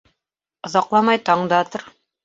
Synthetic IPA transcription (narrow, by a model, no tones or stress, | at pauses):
ŏzɑqlˠɑmɑjt̪ɑɴd̪ɑt̪oɾ